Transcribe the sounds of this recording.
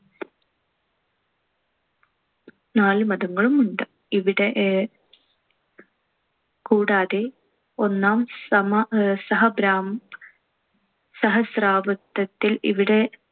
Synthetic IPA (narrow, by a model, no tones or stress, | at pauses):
naːlɨmɐðɐŋːɐɭumuɳɖɨ | iʋiɽe̞ʔ | kuːɽaːðe | o̞nːaːmsɐmɐsɐɦɐbɾaːm | sɐɦɐsraːbɐt̪ːɐt̪ːilḭʋiɽe̞